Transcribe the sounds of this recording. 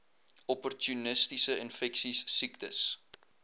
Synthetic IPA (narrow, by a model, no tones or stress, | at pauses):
ɔpɔrtʰjunəstisəinfɛksisːiktəs